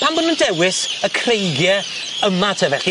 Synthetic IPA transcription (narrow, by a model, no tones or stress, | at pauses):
pʰambʊnəndɛwɪsəkʰrejɡjɛ | əmatʰəvɛɬi